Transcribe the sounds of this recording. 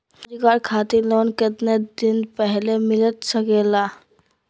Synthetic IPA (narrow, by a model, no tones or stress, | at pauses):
d͡ʒikaːɾkʰaːt̪iloːnkɪt̪ned̪ɪnpɛɦlemɪlət̪səkeːlaː